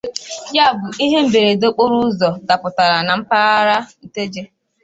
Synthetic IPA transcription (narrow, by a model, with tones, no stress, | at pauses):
ja˦˨bʊ˨i˦ɦe˦m̩˦be˨ɾe˨do˦k͡po˦ɾu˦zɔ˨da˨pʊ˨ta˨ɾa˨na˨m̩˦pa˦ɾa˦ɾa˦n̩˨te˦d͡ʒe˦